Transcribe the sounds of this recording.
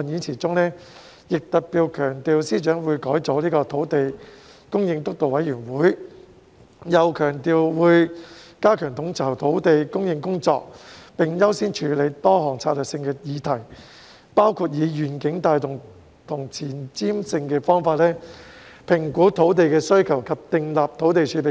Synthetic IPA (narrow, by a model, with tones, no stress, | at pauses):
niː˨˥nt͡sʰiː˨˩t͡sʊ˥ŋnɛː˥ | jɪ˨k̚t̪ɐ˨t̚piː˨˧wkʰœː˨˩ŋt̪iː˨˧wsiː˥t͡ʃœː˨˥ŋwuː˨˧jkɔː˨˥jt͡so˨˥wliː˥kɔː˧t̪ʰo˨˥wt̪e˨j | kʊ˥ŋjɪ˧ŋt̪ʊ˥k̚t̪o˨wɐ˨˥jyː˨˩nwuː˨˥j | jɐ˨˧wkʰœː˨˩ŋt̪iː˨wwuː˨˧jkaː˥kʰœː˨˩ŋt̪ʰʊ˨˥ŋt͡sʰwt̪ʰo˨˥wt̪e˨jkʊ˥ŋjɪ˧ŋkʊ˥ŋt͡sɔ̰ː˧k̚pɪ˨ŋjɐ˥wsiː˥nt͡ʃʰyː˨˧˥le˨˧jt̪ɔː˥hɔː˨˩ŋt͡sʰaː˧t̚lœː˨˩ksɪ˧ŋkɛː˧jiː˨˧t̪ʰɐ˨˩j | paː˥wkʰuː˧t̚jiː˨˧jyː˨˩nkɪ˨˥ŋt̪aː˨˧jt̪ʊ˨˩ŋ | t̪ʰʊ˨˩ŋt͡sʰiː˨˩nt͡siː˥msɪ˧ŋkɛː˧fɔː˥ŋfaː˧t̚lɛː˥pʰɪ˨˩ŋkuː˨˥t̪ʰo˨˥wt̪̬e˨jkɛː˧sɵ˥ɥkʰɐ˨˩wkʰɐ˨p̚t̪ɪ˨ŋlaː˨p̚t̪ʰo˨˥wt̪e˨jt͡ʃʰyː˨˥pe˨